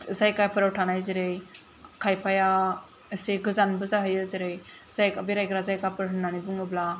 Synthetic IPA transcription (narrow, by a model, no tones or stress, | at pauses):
zajkajpʰɯɾawʈʰanajziɾej | kʰajpʰaja | əsiɡɯzanbɯzaɦɯjɯzeɾej | z̥ajkabiɾajkɾazajkapʰɯɾɦɯnːanibuŋɯbla